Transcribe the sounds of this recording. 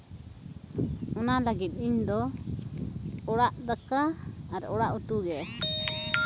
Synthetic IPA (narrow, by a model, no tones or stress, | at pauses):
ɔnalaɡit̪̚iɲd̪ɔ | ɔɽaʔd̪akaːɾɔɽaʔut̪uɡɛ